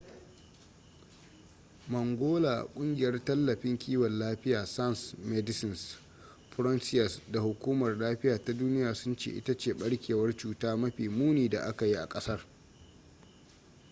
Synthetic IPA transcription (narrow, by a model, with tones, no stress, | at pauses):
mɐ˨ŋɡʷoː˦la̰ː˨kʷʼʊ˦ŋɡʲɪ˨jɐ˦rtɐ˦lːɐ˨ɸɪ˦ŋkʲiː˦wɔ˨nlaː˦ɸɪ˦jaː˨sa˦nsmɛ˦dɪ˦sɪ˨ns | ɸʊ˦ɾɔ˦nsɪ˦jɐ˨sda˨hʊ˨kʷuː˦mɐ˨rlaː˦ɸɪ˦jaː˨ta˦duː˦nɪ˦jaː˨sʊ˦nt͡ʃḛː˦˨ʔɪ̰˦tɐ˦t͡ʃeː˨ɓɐ˦ɽkʲʰeː˨wɐ˦rt͡ʃuː˦taː˦mɐ˦ɸiː˨muː˦niː˨da̰˨ʔa˦ka˨ji˦ʔa̰˨kʼɐ˦sɐ˦r